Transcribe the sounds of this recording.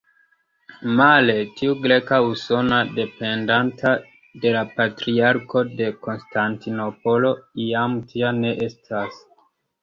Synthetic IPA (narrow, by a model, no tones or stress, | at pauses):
male̞tiuɡɾe̞kauso̞nade̞pe̞ndantʰa | de̞lapatɾiaɾko̞de̞ko̞nstʰantinopo̞lo̞iamtʰiane̞ʔe̞stʰas